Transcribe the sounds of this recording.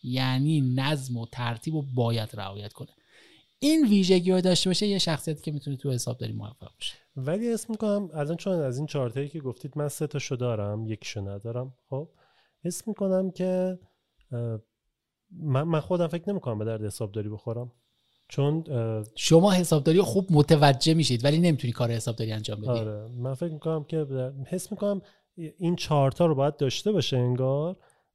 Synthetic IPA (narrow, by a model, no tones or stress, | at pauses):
jæːniːnæzmot̪ʰæɾt̪ʰiːbobɒːjæd̪̥ɾæ̰ɒːjæt̪kʰo̞ne | inviːʒe̞ɟiːɒd̪ɒːʃt̪ebɒʃejeʃæxsijæt̪ʰi̥ːcʰʲe̞mit̪ʰunet̪ʰujehe̞sɒːb̚d̪ɒ̰ːɾiːmo̰æ̰fːæ̰ʁbe̥ʃe̥ | vælihesmikonæmælɒːnt͡ʃʰonæziːnt͡ʃʰɒɾt̪ʰɒicʰeɡoft̪ʰiːd̪mænset̪ʰɒːʃod̪ɒːɾæmje̞cʰi̥ʃonæd̪ɒːɾæmχob̥̚ | hesmiːko̞næmcʰe̞ | mænmænxo̞d̪æmfecʰne̞miːkʰo̞næmbe̞d̪æɾd̪ehesɒːb̚d̪ɒːɾibo̞xoɾæm | t͡ʃʰonʃomɒːhe̞sɒːbd̪ɒːɾijoxuːb̚mot̪ʰevæd͡ʒːemiːʃid̪væline̞miːt̪ʰunikʰɒːɾehesɒːb̚d̪ɒːɾiænd͡ʒɒːmbeɒiɾemænfecmiko̞næmcʲʰe̞bd̪æhe̞smiːkonæm | int͡ʃʰɒːɾt̪ʰɒːɾobɒːjæd̪̚d̪ːɒːʃt̪e̞bɒːʃeeŋɡɒːɾ